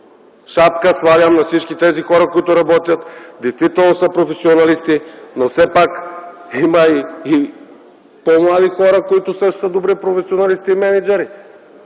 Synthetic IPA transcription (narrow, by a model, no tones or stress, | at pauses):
ʃapkəsvavʲamnɐfsit͡ʃkʲit̪ɛzixɔɾɐkoit̪ʊɾɐbɔt̪jɐt̪d̪ɛjst̪vit̪ɛlˠnosəpɾofɛsionalist̪inosɛpakimɐii | pomlˠad̪ixɔɾɐkoit̪ʊsəʃt̪o̥səd̪obɾipɾofɛsionalist̪iːmɛnɛd͡ʒɛɾi